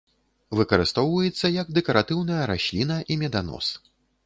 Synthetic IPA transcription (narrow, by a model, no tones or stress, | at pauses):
vɨkɐɾɨst̪ɔwvɐjɛt̪sːɐjɐɡ̚d̪ɛkɐɾat̪ɨwnɐjɐɾaɕʲlʲinɐʔimʲɛd̪anɔ̰s